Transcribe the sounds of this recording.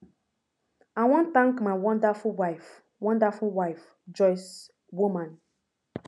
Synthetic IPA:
awɔ̃nt̪ãŋkmaɪwɔ̃ndafuwaɪf | wɔ̃ndafulwaɪf | d͡ʒɔɪs | wumãn

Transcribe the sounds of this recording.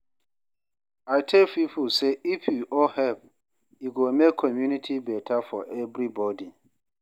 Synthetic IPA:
aɪtʰelpipuseifjuʔɔhɛp | iɡomekʰːɔmjunitʰibɛtʰafɔʔɛvɾibɔdi

